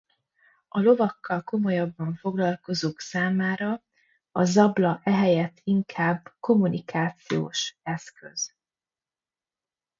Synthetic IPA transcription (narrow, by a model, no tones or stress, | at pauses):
ɒlo̞vɒkːɒlko̞mo̞jɒbːɒɱfo̞ɡlɒlko̞zoːksaːmaːɾɒ | ɒzɒblɒʔɛɦɛjɛt̪ʰːiŋkʰaːbko̞munikʰaːt̪sijo̰ːʃɛskø̰z̥